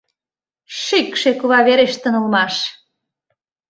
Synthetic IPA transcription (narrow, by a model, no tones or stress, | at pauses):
ʃikʃekuβɑβeɾeʃt̪ənə̆lmɑʃ